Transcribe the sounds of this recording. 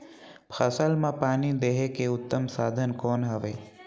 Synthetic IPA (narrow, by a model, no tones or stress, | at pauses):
pʰəsəlmãpaːnid̪eɦekeʊt̪ːəmsaːd̪ʱənkoːnɦəʋe